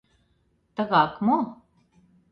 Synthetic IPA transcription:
t̪ə̆ɣɑkmo

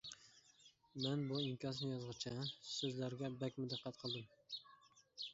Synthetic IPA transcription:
mɛnbuiŋkʲɑsnɪjɑzʁɨt͡ʃʰɑsɵzlæɾɡʲɛbɛkʲmʊd̪æqʰːɑt̪qʰəlˠd̪ɨm

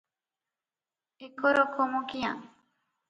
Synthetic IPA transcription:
ekoɾokʰomõkia

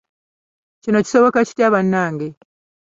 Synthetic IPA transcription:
cino̞ci̥so̞βo̞kaci̥tjaβanːaːŋɡe

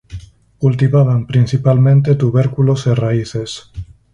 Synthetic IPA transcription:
kult̪iβaβampɾinθipalmẽnt̪et̪uβeɾkuloseraiθes

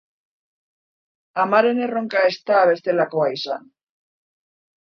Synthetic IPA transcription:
amaɾeneroŋkaest̪aːβesθelakoajsan

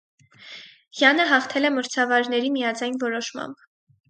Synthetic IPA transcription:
jɑnəɦɑχt̪ʰɛlɛməɾt͡sʰɑvɑɾnɛɾimijɑd͡zɑjnvɔɾɔʃmɑ̰mb

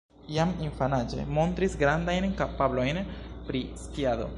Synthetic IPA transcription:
jamiɱfanad͡ʒe̞̰mo̞nt̪ɾisɡɾand̪ajnkapablo̞jnpɾiskiad̪o̞̰

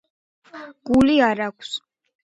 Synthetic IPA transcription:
ɡ̥uliaɾakʷʰs

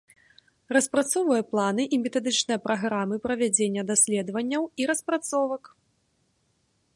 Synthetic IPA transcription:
rɐspɾat̪sɔwvɐjɐplˠanɨʔimʲɛt̪ad̪ɨt͡ʂnɨjɐpɾaɣɾamɨpɾɐvʲad͡zʲenʲːɐd̪asʲlʲɛd̪vɐnʲːɐwiɾɐspɾat̪sɔvɐk

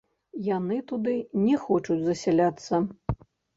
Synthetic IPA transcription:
janɨt̪ud̪ɨnʲɛxɔt͡ʂud͡zʲzɐsʲɛlʲat̪sːɐ

